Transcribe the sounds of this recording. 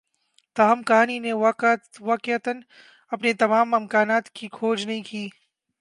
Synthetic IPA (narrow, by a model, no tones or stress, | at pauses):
t̪aːɦmkɐɦaːnineʋaːʋaːkɪət̪ən | ɐpnet̪ɐmaːmɪmkaːnaːt̪kikʰoːd͡ʒnɐɦĩkiː